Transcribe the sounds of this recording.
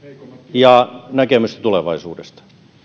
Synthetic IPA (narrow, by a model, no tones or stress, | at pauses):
jɑnækemyst̪æ̥t̪uleʋɑisuːdest̪ɑ̥